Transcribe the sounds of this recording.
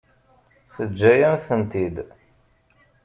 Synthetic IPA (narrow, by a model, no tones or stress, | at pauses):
θəd͡ʒːæjænθənt̪id̪